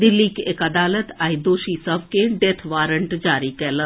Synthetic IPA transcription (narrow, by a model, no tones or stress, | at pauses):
d̪ɪlːiːkekɐd̪aːlət̪aːid̪oːʃisəʋkeɖet̪ʰʋaːɾəɳʈd͡ʒaːɾikɛːlə